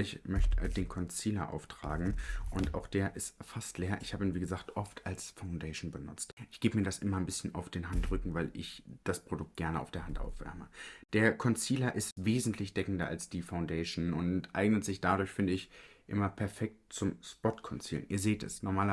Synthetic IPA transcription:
ɪçmœçtəd̥eːnkʰɔnt͡siːlɐʔa̰ʊftʁ̥a̰ːɡŋ̩ʔʊntʔa̰ʊxd̥eːɐʔɪstfastleːɐʔɪçhaːbəiːnviːɡəzaːktʔɔftʰalsfaʊndɛɪʃnbənʊt͡stʔɪçɡ̥eːbəmiːɐɾasʔɪmɐnbɪsçənʔa̰ʊfd̥eːnɦantʁʏkŋ̩vaɪlɪ̰çd̥aspʁ̥odʊk̚t̚ɡ̥ɛɐnəʔa̰ʊfd̥eɐhantʔa̰ʊfv̥ɛ̰ɐməd̥eːɐkʰɔnt͡siːlɐʔɪstveːzn̩tʰlɪçd̥ɛkŋ̩dɐʔa̰lsd̥iːfaʊndɛɪʃnʊntʔa̰ɪɡnətz̥ɪçd̥adʊɐçfɪndəɪçʔɪmɐpʰɛɐfɛk̚t̚t͡sʊmspɔtkʰɔnt͡sḭːlnʔiːɐzeːtɛ̰snɔɐmaːlɐ

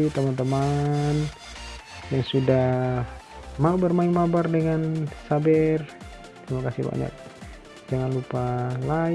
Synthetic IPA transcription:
t̪əmant̪əman | jaŋsuda | mabarmaiŋmabardəŋansabɛr | t̪əɾimakasḭba̰ɲa̰k̚ | d͡ʒaŋanlupala

